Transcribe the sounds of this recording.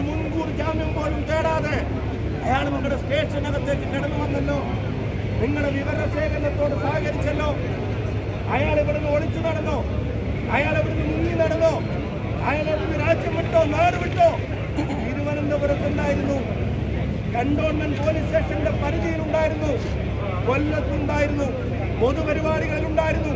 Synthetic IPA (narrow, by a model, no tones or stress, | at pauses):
munːkuːɽd͡ʑaːmjɐmpo̞ːlumt̪eːɽaːðe | ɐjaːɭniŋːuɽesʈe̞ːʂɐnɐɣɐt̪ːe̞ːkːɨkɐɽɐnːɨʋɐnːɐlːo̞ː | niŋːɐɽeʋiʋɐɾɐɐɕe̞ːɣɐnɐt̪ːo̞ːɽɨsaːɣɐɾit͡ɕːɐlːo̞ː | ɐjaːɭiʋɐɽɐnːɨoɭit͡ɕːunɐɽɐnːoː | ɐjaːɭiʋɐɽenːɨmuɲjinɐɽɐnːoː | ɐjaːlɭeʋɐenːɨɾaːd͡ʑjɐmːeʈːo̞ːnaːrɨʋiʈːo̞ː | t̪iːɾuʋɐnɐnd̪epɐɾɐt̪ːend̪aːjiɾunːu | kɐɳɖoːɳmːɐnpoːlisɕeːʂɐnɖe̞pɐɾiðijɐluɳɖaːjiɾunːu | kolːɐt̪ːuɳɖaːjiɾunːu | poðupɐɾibaːɽiɣɐɭiluɳɖaːjiɾunːu